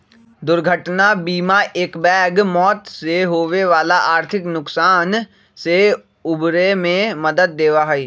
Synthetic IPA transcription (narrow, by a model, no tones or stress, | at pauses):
d̪ʊɾɡʱəʈnabiːmaʔeːkbɛːɡmɔːt̪seɦoːʋeʋaːlaʔaːɾt̪ʰɪknʊksaːn | se | ʊbɾemẽməd̪əd̪̚ːeːʋaɦiː